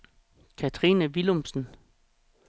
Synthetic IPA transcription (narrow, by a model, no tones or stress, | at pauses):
kʰæt͡sʰʁiːnəʋilomsn̩